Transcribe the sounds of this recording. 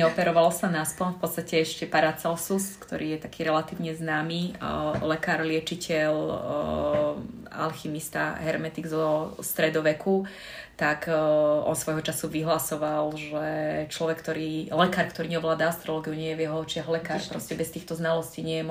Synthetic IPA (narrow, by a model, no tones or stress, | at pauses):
ɛɔpɛɾɔʋalɔsanaspɔnfpɔt̪st̪acɛɛʃcɛpaɾat͡sɛlsuskt̪ɔ̰ɾʔiːjɛt̪akʰiːɾɛlat̪iːʊɲɛznaːmiːlɛkaːɾlɪɛt͡ʃicɛʎ | a̰lximist̪a̰ɦɛɾmɛt̪iɡzɔst̪ɾɛd̪ɔʋɛkʰu | t̪akʔɔ̰nsʋɔjɦɔt͡ʃasuʋiɦlasɔʋalʒɛt͡ʃlɔʋɛkːt̪ɔɾiːlɛkaːɾkt̪ɔɾiːɲɛɔʋlaːd̪aast̪ɾɔlɔːɡiuɲɪɛjɛʋjɛɦɔt͡ʃɪaɦlɛkaːɾpɾɔscɛbɛst̪iːxt̪ɔznalɔsciːɲɪɛjɛm